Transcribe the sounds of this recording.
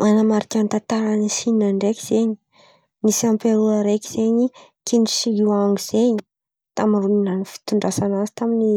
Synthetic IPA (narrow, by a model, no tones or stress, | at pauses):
anamaɾikʲant̪at̪aɾanisininaɳɖ͡ʐeki̥z̥eɲi̥ | nisampeɾuaɾekʲiz̥eɲikʰinɖ͡ʐisiɦiwaŋiz̥eɲi | t̪amiruminanifi̥t̪uɳɖ͡ʐasanazi̥t̪amini